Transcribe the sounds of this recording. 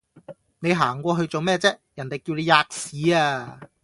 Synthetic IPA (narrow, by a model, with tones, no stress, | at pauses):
ne˨˧jɦaː˨˩ŋkʷɔː˧ɦɵ˧ɥt͡so˨wmɛː˥˩t͡sɛː˥jɐ˨˩nt̪e˨jkiː˧wle˨˧jaː˧k̚siː˨˥aː˧